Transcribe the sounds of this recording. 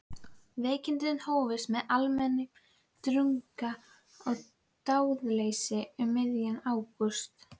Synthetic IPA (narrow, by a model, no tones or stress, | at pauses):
veːjcɪnt̪̬ɪɪnhoːwvɪsmɛðalmɛnːɪ | t̪ɾʏŋka | ɔɣ | t̪aːwðlejsɪʏmːɪðjanaːwkʏst̪